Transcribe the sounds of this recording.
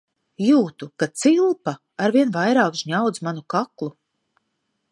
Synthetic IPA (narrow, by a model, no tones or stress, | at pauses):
juːt̪ukat̪silˠpaː | ɾviɛnvajɾaːkʒɲawd̪zmanukaklˠu